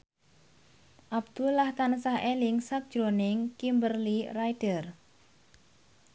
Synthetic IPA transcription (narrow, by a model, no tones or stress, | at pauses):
ʔab̚d̪̥ulahkanəsahelɪŋsak̚d̥ʒ̥ɾonɪŋkimbərlirajd̥ər